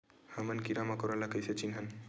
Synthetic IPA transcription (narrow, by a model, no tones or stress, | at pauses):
hɐmənkiɾamakoɾalakəjset͡ʃinɦən